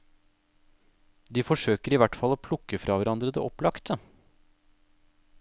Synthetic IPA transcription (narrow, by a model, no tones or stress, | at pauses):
d̪iːfɔʂøːkəɾiʋæʈfɑloːpʰlʊkːəfɾɑːʋæɾʔɑnd̪ɾəd̪ɛ̰ːʔɔplɑkt̪ʰə